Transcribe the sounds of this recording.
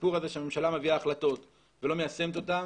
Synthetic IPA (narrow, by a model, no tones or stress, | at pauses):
puʁaze̞ʃeame̞mʃalameviaːχlat̪o̞t̪ | velo̞mejase̞mt̪o̞t̪a